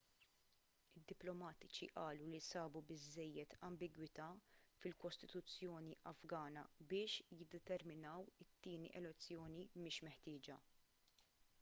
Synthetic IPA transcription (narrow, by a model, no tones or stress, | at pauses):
ɪd̪ːɪplɔmɐːt̪ɪt͡ʃḭʔɐːlulisɐːbubɪzːɛjːɛt̪ʰɐmbɪɡwɪt̪ɐfɪlkɔst̪ɪ̥t̪ʊt͡sːjɔːniʔɐfɡɐːnɐ̰bɪːʃjɪd̪ːɛt̪ɛɾmɪnɐwɪt̪ːiːnḭʔɛlɛt͡sːjɔːnimɪːʃmɛħt̪ɪːd͡ʒɐ